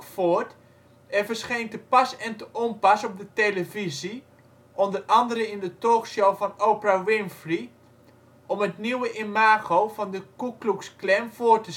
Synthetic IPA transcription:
foːrt | ɛvərsχentəpɑsɛntəʔɔmpɑsɔb̚dəteləvizi | ʔɔndərɑndəɾəɪndətoːχʃowvɑnowpərawɪnfri | ʔɔmətniwəʔemaːɣowvɑndəkukluksklɛmvoːrtə

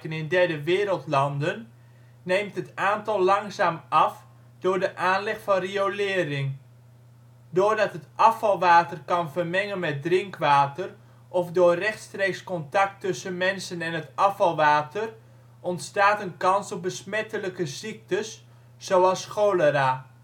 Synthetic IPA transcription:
ənɪndɛrdəʋɪːɾəlˠtlɑndənː | ejmtɦətaːntɑlˠːɑŋsaːmʔɑf | dʊːrdəʔaːnlɛxfɑnriolɪːrɪŋ | doːrdɑtɦətʔɑfɑlˠʋaːtərkɑnvərmɛŋənmɛt̚drɪŋkʋaːtər | ʔɔfdʊːrrɛxtstreːkskɔntɑk̚tɵsənmɛnsənɛnətɑfɑlˠʋaːtər | ʔɔntstaːtənkɑnsɔp̚bəsmɛtələkəzik̚təsː | owɑlˠsxowləɾaː

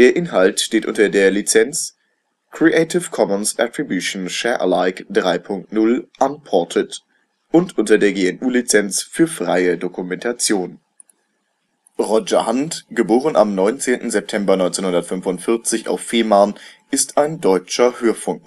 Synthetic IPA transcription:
d̥eːɐʔɪnɦaltʃteːtʔʊ̰ntɐdeːɐlit͡sɛnt͡s | kʁ̥iʔeɪtɪfkʰɔmənsʔatʁ̥ibjuʃn̩ʃɛɐʔə̰laɪkd̥ʁaɪpʰʊŋk̚tnʊlʔanpʰɔɐtʰət | ʔʊntʔʊntɐdeːɐɡeːɛnʔuːlit͡sɛnsfyːɐfʁ̥aɪədokumɛntʰat͡sjoːn | ʁɔd͡ʒɐhantɡ̥əboːʁəna̰mnɔʏnt͡seːntn̩zɛp̚tʰɛmbɐnɔʏnt͡seːnhʊndɐtfʏnfʊntfɪɐt͡sɪça̰ʊfːeːman | ɪstʰaɪndɔʏt͡ʃɐhøːɐfʊŋk

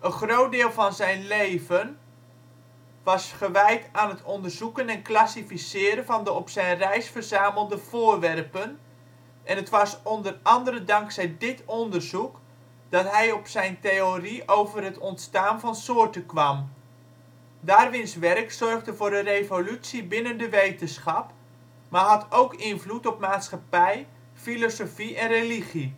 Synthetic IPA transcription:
ʔənχrowt̚dɪːlˠvɑnzɛjnlejvən | ʋɑsχəʋɛjtaːnɦətʰɔndərzukənɛnklasifisɪːɾənvɑndəɔpsɛjnrɛjsfərzaːməlˠdəv̥ʊːrʋɛrpən | ʔɛnətʋɑsɔndərɑndəɾədɑŋksɛjdɪtɔndərzuk | d̥ɑtɦɛjɔpsɛjnteoriʔowvərɦətɔntstaːnvɑnsoːrtəkʋɑm | daːrʋɪnsʋɛrksɔrχdəvʊːrdərejvolytsibɪnəndəʋejtənsχɑp | maɦɑtʰowkɪnvlutɔp̚maːtsχapɛj | filosofiɛnreliχi

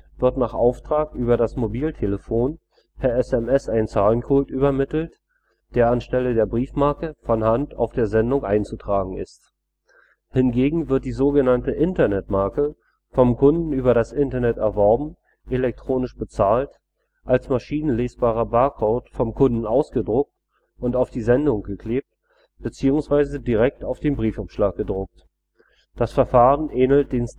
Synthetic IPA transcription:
vɪɐtnaːχʔaʊftʁ̥aːkʔyːbɐɾasmobiːltʰeləfoːn | hɛɐɛsɛmɛsaɪnt͡saːlənkʰʊltʔyːbɐmɪtl̩t | d̥eːɐanʃtɛlədeːɐbʁiːfmaɐkəfɔnhanta̰ʊfd̥eːɐzɛndʊŋʔaɪnt͡sutʁ̥aːɡŋ̩ɪ̰st | hɪnɡeːɡŋ̩vɪɐt̚d̥iːzoːɡənantəʔɪntɐnɛtmaɐkə | fɔmkʰʊndn̩yːbɐɾasʔɪntɐnɛtɛɐvɔɐbm̩ | ʔelɛk̚tʁ̥oːnɪʃb̥ət͡saːlt | ʔalsmaʃiːnənleːsb̥aːʁɐbaɐkʰɔːtfɔmkʰʊndn̩ʔaʊsɡ̥ədʁʊk̚t | ʔʊntaʊfd̥iːzɛndʊŋɡ̥əkʰl̥eːp̚t | b̥ət͡siːʊŋsv̥aɪzədiʁɛk̚taʊfd̥eːnbʁiːfapʃlaːk̚ɡ̥ədʁʊk̚t | d̥asfɛɐfaːʁənʔɛːnl̩t̚d̥eːn

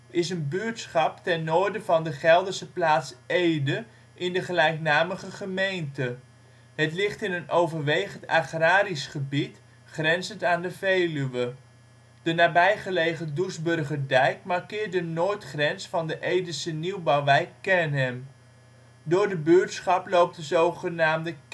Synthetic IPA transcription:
ɪsənbyɹtsχɑptɛnːoːɹdəvɑndəχɛlˠdəɹsəplaːtsejdə | ʔɪndəχəlɛjknaːməχəχəmejntə | ɦətlɪχtɪnənʔowvəɹʋejχəntaχraːɾisχəbit | χrɛnzəntaːndəvejlyʋə | d̥ənaːbɛjχəlejχədusbɵrχəɹdɛjk̚mɑɹkɪːɹt̚dənoːɹtχrɛnsfɑndəʔejdəsəniwbɑwʋɛjkːɛnɦɛm | dʊːɹdəbyɹtsχɑplowp̚təzowχənaːmdə

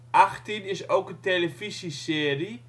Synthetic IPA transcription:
ʔaχtinɪsowkənteləfisiseːɾi

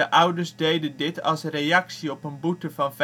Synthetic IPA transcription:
əʔʌwdəɹsdejdəndɪtɑ̰lˠsrejɑksiɔpənbutəvɑnv

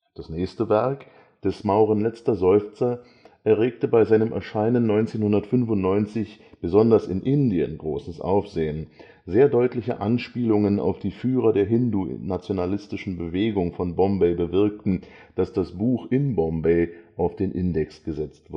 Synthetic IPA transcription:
d̥asnɛːçstəvɛɐk | d̥ɛsmaʊʁ̞ənlɛt͡stɐzɔʏft͡sɐ | ʔɛɐʁ̞eːk̚təbaɪzaɪnəmʔɛ̰ɐʃaɪnənːɔʏnt͡seːnhʊndɐtfʏnfʊntnɔʏnt͡sɪçb̥əzɔndɐsɪ̰nʔɪndiə̰nɡʁoːsəsʔa̰ʊfz̥eːən | zeːɐdɔʏtlɪçəʔanʃpiːlʊŋəna̰ʊfd̥iːfyːʁ̞ɐdeːɐɦɪndṵnat͡sjonalɪstɪʃn̩bəveːɡʊŋfɔnbɔmbeɪbəvɪɐk̚tn̩ | d̥asd̥asb̥uːxʔɪnbɔmbeɪʔaʊfd̥eːnʔɪndɛksɡ̥əzɛt͡stv̥

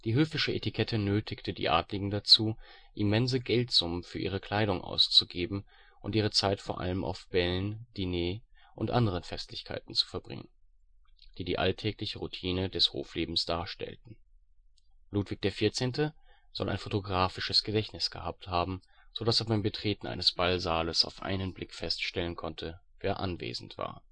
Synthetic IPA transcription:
d̥iːɦøːfɪʃəʔetikʰɛtʰənøːtʰɪktʰədḭːʔa̰ːtlɪɡŋ̩dat͡suː | ʔimɛnzəɡɛltz̥ʊmənfyːɐʔḭːʁ̞əkʰl̥aɪɾʊŋʔa̰ʊst͡suɡeːbm̩ | ʔʊntʔiːʁ̞ət͡saɪtfoːɐʔa̰ləmʔa̰ʊfb̥ɛlnd̥ineːʔʊntʔa̰ndəʁ̞ənfɛstlɪçkʰa̰ɪtn̩t͡su̥fɛɐbʁɪ̰ŋə̰n | d̥iːdiːʔa̰ltʰɛːklɪçəʁutʰiːnədɛsho̰ːfleːbm̩sd̥aːɐʃtɛ̰ltn̩ | luːtv̥ɪç̚d̥eːɐfiːɐt͡seːntə | z̥ɔ̰lʔa̰ɪnfotoɡʁaːfɪʃəsɡ̥ədɛçnɪsɡ̥ə̰haːp̚thaːbm̩z̥odaseːɐbaɪmbətʁ̥eːtn̩ʔa̰ɪnəsb̥alzaːləsa̰ʊfʔa̰ɪnənblɪkfɛstʃtɛlənkʰɔntʰəveːɐʔanvḛːzn̩tv̥a̰ːɐ

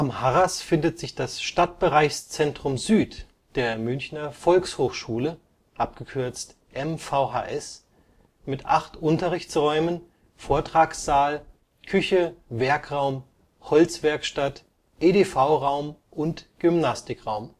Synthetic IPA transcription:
ʔamhaʁasfɪndətz̥ɪçd̥asʃtat̚b̥əʁaɪçst͡sɛntʁ̥ʊmzyːt | d̥eːɐmʏnçnɐfɔlkshoːxʃuːlə | ʔapɡ̥əkʰʏɐt͡st | ʔɛmfaʊɦa̰ːʔɛs | mɪtʔaχtʔʊntɐʁɪçt͡sʁɔʏmən | foːɐtʁ̥aːksz̥aːl | kʰʏçəvɛɐkʁ̥aʊm | hɔlt͡sv̥ɛɐkʃtat | ʔeːdeːfaʊʁaʊmʔʊntɡ̥ʏmnastɪkʁaʊm

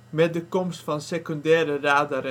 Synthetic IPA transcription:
mɛt̚dəkɔmstfɑnsekɔndɛːɾəraːdəɾ

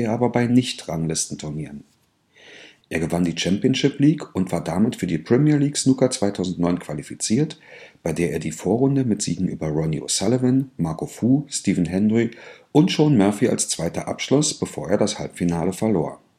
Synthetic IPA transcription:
eːɐʔaːbɐbaɪnɪçtʁaŋlɪstn̩tʰʊɐniːʁən | ʔeːɐɡəvandiːt͡ʃɛmpjənʃɪpliːkʊntv̥aːɐdamɪtfyːɐdiːpʁ̥ɛmiːɐliːksnukɐt͡sv̥aɪtʰaʊzn̩tnɔʏnkʰv̥alifit͡siːɐtb̥aɪdeːɐʔeːɐdiːfoːɐʁʊndəmɪtz̥ḭːɡŋ̩ʔy̰ːbɐʁɔnḭo̰salovɪnmaɐkofuːstiːvn̩ɦɛnʁiʔʊntʃoːnmœɐfia̰lst͡sv̥aɪtɐʔa̰pʃlʊsb̥əfoːɐeːɐɾashalpfinaːləfɛɐloːɐ

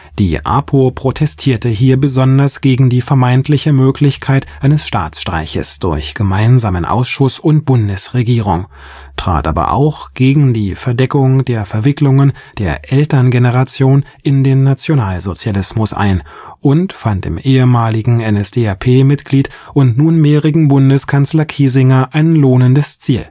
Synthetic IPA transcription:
d̥ḭːʔa̰ːpʰopʁ̥otʰɛstʰiːɐtəɦiːɐbəzɔndɐsɡ̥eːɡŋ̩diːfɛɐmaɪntʰlɪçəmøːklɪçkʰaɪtʔaɪnəsʃta̰ːt͡sʃtʁ̥a̰ɪçə̰sd̥ʊɐçɡ̥əmaɪnzaːmənʔa̰ʊsʃʊsʊnt̚b̥ʊndəsʁeɡiːʁʊŋ | tʁ̥a̰ːtʔa̰ːbɐ̰ʔa̰ʊxɡ̥eːɡŋ̩diːfɛɐdɛkʊŋdeːɐfɛɐvɪklʊŋən | d̥eːɐʔɛltɐnɡenəʁat͡sjoːn | ʔɪndeːnːat͡sjonaːlzot͡sjalɪsmʊsʔa̰ɪnʔʊntfantɪ̰mʔeːəmaːlɪɡŋ̩ɛnɛsd̥eːapʰeːmɪtɡ̥liːt | ʔʊntnuːnmeːʁɪɡŋ̩bʊndəskʰanslɐkʰiːzɪŋɐʔaɪnloːnəndəst͡siːl

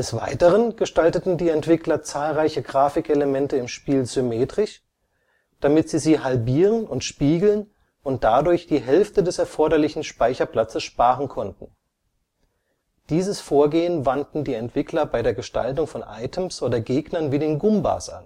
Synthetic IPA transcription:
d̥ɛsv̥a̰ɪtəʁənɡ̥əʃtaltətn̩diːɛntv̥ɪklɐt͡saːlʁaɪçəɡʁaːfɪkʔeləmɛntəɪmʃpiːlzʏmeːtʁ̥ɪç | d̥amɪtz̥iːziːhalbiːʁənʊntʃpiːɡl̩n | ʔʊnt̚d̥adʊɐçd̥iːɦɛlftədɛsɛɐfɔɐɾɐlɪçn̩ʃpaɪçɐpl̥at͡səsʃpaːʁən̩kʰɔntn̩ | d̥iːzəsfoːɐɡeːənvantn̩diːɛntv̥ɪklɐbaɪdeːɐɡəʃta̰ltʊŋfɔnʔa̰ɪtʰəmsʔoːdɐɡeːɡnɐnviːdeːnɡʊmba̰sʔa̰n

